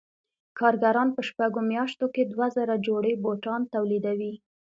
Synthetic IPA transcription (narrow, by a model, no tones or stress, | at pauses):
kʰɑɾɡaɾɑnpəʃpaɡomjɑʃt̪oked̪wazəɾad͡ʒoɽeboʈɑnt̪awlid̪awi